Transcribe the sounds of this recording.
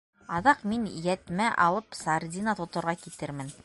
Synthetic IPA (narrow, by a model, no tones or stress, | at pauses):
ɑðɑqminjæt̪mæʔɑlˠɤpsard̪ʲinɑt̪ŏt̪ŏɾʁɑkit̪ɘɾmɘn